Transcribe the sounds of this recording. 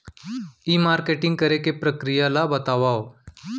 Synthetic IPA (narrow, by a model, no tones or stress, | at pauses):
iːmaɾkeʈiŋɡ̚kəɾekepɾəkɾijalabət̪aʋaw